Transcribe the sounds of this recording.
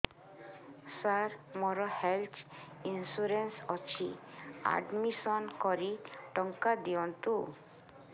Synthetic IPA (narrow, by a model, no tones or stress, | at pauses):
saɾmɔɾɔhelt̪ʰinsuɾensɔt͡ʃʰia̰ɖmisɔnkɔɾiʈɔŋkad̪iɔnt̪u